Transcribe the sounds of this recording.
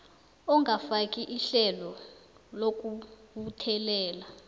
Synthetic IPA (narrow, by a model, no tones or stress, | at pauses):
ɔŋɡafakʼiʔiɬɛlɔlok̬ʼuɓutʰɛlɛːla